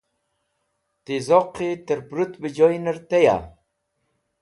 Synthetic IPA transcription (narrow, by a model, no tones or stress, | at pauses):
t̪izoqːit̪əɾpɾut̪bid͡ʑojnəɾt̪eja̰